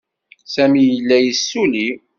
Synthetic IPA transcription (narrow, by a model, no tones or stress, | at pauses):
sæmijəlːæjəsːuli